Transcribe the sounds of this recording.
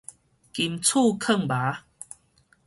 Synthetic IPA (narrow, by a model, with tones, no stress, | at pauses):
ki˨mt͡sʰu˥˧kʰə˥˨ŋba˨˦